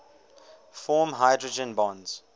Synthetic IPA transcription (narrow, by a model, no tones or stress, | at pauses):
fɔːmɦaɪdɹəd͡ʒə̃nbɔ̃nz̥